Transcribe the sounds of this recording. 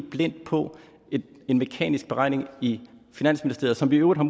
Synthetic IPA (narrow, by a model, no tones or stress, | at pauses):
b̥len̰d̥̚pʰɒ̽ | e̝nme̝kʰɛ̰ːnisɡ̥b̥e̝ʁɑ̈ɪ̰ne̝ŋifinæn̰sminisd̥e̝ɐðˠsɒ̽mʋiøːʊd̥ˠhɑm